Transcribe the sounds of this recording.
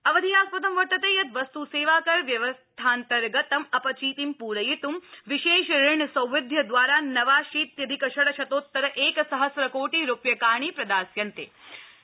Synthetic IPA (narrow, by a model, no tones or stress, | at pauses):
ɐʋɐd̪ʱijaːspɐt̪ɐmʋɐʈːɐt̪eːjɐt̪ʋɐst̪useːʋaːkɐɾʋjɐʋɐst̪ʰaːnt̪ɐɾɡɐt̪ɐmɐpɐt͡ʃiːt̪impuːɾɐjit̪umʋiʃeːʃɾɪɳɐsɐ̃wʋɐd̪ʱjɐd̪ʋaːɾaːnɐʋaːʃiːt̪jɐd̪ʱikɐʃɐɽɐʃɐt̪oːt̪ːɐɾɐʔeːkɐsɐɦɐsɾɐkoːʈiɾupjɐkaːɳ̃ipɾɐd̪aːsjɐnt̪ḛː